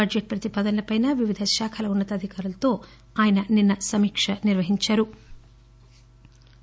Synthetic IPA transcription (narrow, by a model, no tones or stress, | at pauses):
bɐd͡ʒeʈ̚pɾɐt̪ipɐːd̪ɐnɐlɐpɐjnɐʋiʋid̪ʱɐʃaːkʰɐlɐunːɐt̪ɐd̪ʱikaːɾulɐt̪o̞ː | aːjɐnɐninːɐsɐmiːkʂɐniɾʋɐɦiɲt͡ʃɐɾu